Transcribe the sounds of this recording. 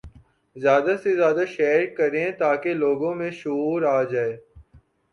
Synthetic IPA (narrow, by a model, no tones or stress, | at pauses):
zjaːd̪asezjaːd̪aʃɛːɾkɐɾẽt̪aːkeloːɡõmẽʃʊuːɾaːd͡ʒaːeː